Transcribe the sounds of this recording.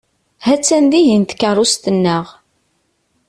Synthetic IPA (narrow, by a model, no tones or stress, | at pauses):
hæt͡sːænd̪iʝint̪ə̥kːərˤːust̪ənːəʁ